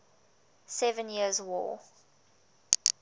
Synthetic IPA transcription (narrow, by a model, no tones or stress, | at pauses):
sɛvə̃njiəzwɔ̰ː